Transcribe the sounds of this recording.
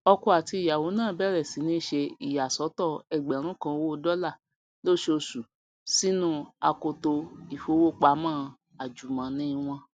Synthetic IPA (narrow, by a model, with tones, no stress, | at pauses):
ɔ˧ku˧a˨ti˧i˨ja˨wo˨˦nãː˦˨bɛ˦˨ɾɛ˦˨si˨˦nĩ˦ʃe˧i˨ja˨sɔ˨˦tɔ˦˨ɛ˨ɡ͡bɛ˨ɾ̃ũ˦kã˧wo˦o˧dɔ˦la˦˨ | lo˦˨ʃe˦˧o˧su˨ | si˦nũ˦˨a˧ko˧to˧i˨fo˧˦wo˦k͡pa˧˦mãː˦˨ | a˨d͡ʒu˨mã˨˦nĩ˦˧w̃ɔ̃˧